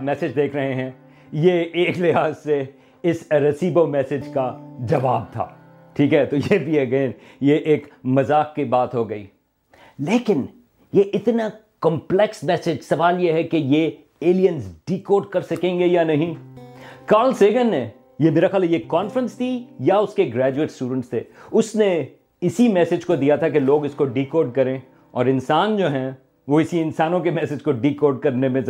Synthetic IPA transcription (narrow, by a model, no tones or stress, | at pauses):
mɛːsɪd͡ʒd̪eːkʰɾɐɦẽɦɛ̃ | jeeːklɪɦaːzse | ɪsɾɐsiːbomɛːsɪd͡ʒkad͡ʒɐʋaːb̚t̪ʰa̰ː | ʈʰiːkɦɛt̪ojebʱiɐɡeːn | jeʔeːkmɐzaːkːibaːt̪ɦoɡɐḭː | leːkɪn | jeʔɪt̪nakɐ̃mplɛksmɛːsɪd͡ʒsɐʋaːljeɦɛkeje | eːlijə̃nsɖ̥iːkoːɾɖkɐɾsɐkẽːŋɡejanɐɦĩ | kaːɾlseːɡənːe | jemeːɾaxaːljekɔːnfɾə̃nst̪ʰijaʊskeɡɾɛːd͡ʒueːʈsʈuːɖə̃ɳʈst̪ʰḛːʊsne | ɪsimɛːsɪd͡ʒkod̪ijat̪ʰakeloːɡɪskoɖiːkoːɾɖ̚kɐɾẽː | ɔ̰ːɾɪ̃nsaːnd͡ʒoːɦɛ̃ | ʋoɪsiɪ̃nsaːnõkemɛsɪd͡ʒkoɖiːkoːɾɖ̚kɐɾnemẽ